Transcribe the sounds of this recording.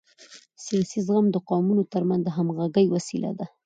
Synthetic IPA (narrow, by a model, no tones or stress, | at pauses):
sijɑsizɣamd̪əqɑmunot̪əɾmanzd̪əɦamɣaɡəjwasila̰d̪a